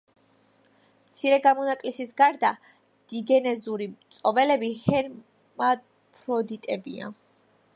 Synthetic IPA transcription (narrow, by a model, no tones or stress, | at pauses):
mmt̪sʰiɾɛɡamɔnakʼlisisɡaɾd̪a | d̪̥iɡɛnɛzuɾimt̪sʼɔvɛlɛbihɛɾ | ma | pʰʼɾɔd̪it̪ʼɛbia̰